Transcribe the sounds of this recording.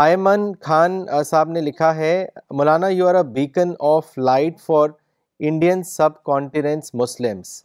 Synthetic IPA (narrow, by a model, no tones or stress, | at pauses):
aːjmənkʰaːnsaːbnelɪkʰaɦɛmʊlaːnajuaːɾəʋiːkənɔːflaːɪʈfɔːɾ | ɪ̃ɳɖijənsɐb̚kɔ̃ːɳʈɪnẽɳʈsmʊslɪms